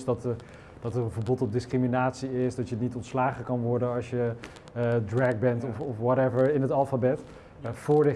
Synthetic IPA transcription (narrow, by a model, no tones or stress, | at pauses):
sdɑt | d̥ɑtərənvəɹbɔtɔp̚dɪskriminaːtsiɪsdɑtjənitɔntslaːχəkɑnʋɔɹdənɑsjə | drɛk̚bɛntɔfɔfwɔtɛvəɹɪnɦətɑlˠfabɛt | fʊːɹdə